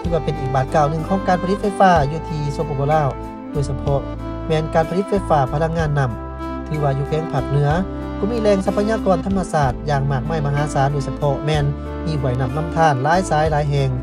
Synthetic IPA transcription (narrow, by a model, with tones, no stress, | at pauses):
t̪ʰɯː˧waː˧pe˧˨nʔiː˨˩k̚baː˨˩t̪̚kaː˧˩wnɯ˧ŋkʰɔː˧˥ŋkaː˨npʰli˧˥t̪̚fa˧˩jfaː˧juː˧t̪ʰiː˧soː˧pʰɔː˧kɔː˧laː˧˩˨w | doː˧˨jsa˧pʰɔ˧ | mɛː˧˩nkaː˨npʰa˧li˧˥t̪̚fa˧˥jfaː˧˩pʰa˧na˧k̚ŋaː˧˥˨nːa˧˩m | t̪ʰɯː˨˧˦waː˧juː˧kʰɛː˧˥˦ŋpʰa˧˩k̚nɯ˨˧˥ɐ | kʰɔː˧˦miː˧˥˨lɛː˧˨ŋsa˧˥pʰːa˧ɲaː˧˨kɔː˨nt̪ʰa˧˥ma˧saː˨˩t̪̚jaː˧ŋmaː˨˩k̚ma˧˩jma˧˩ɦaː˨˦saː˨˦ndoː˧˨jsa˧pʰɔ˧mɛː˧n | ʔiː˧˩wu˨˩˨jna˧˩mna˧˨mt̪ʰaː˧˩˨nlaː˨˧˥jsaː˨˦jlaː˨˧˦jɦɛ˧ŋ